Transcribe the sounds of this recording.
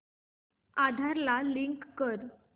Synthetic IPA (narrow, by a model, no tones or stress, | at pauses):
ad̪ʱaɾlaliŋkːəɾ